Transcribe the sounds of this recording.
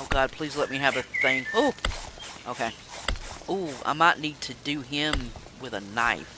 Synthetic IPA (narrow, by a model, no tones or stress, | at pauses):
oʊɡɑd̚pʰl̥izlɛt̚miɨvɨθɪ̃ŋhu | ʔoʊkʰeɪ | uã̰ɪmaɪʔⁿnid̚tʰɨdɨɪ̃m | wɪðənaɪf